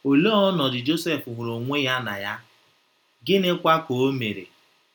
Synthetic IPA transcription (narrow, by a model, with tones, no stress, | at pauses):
o˨lo˦ɔ˦nɔ˨dɪ˨d͡ʒo˦se˦fu˨ɦʷʊ˨ɾo˨ŋʷe˦ja˦na̰˨ja˦ | ɡɪ˦nɪ˦kʷa˦ko˨o˦me˨ɾḛ˨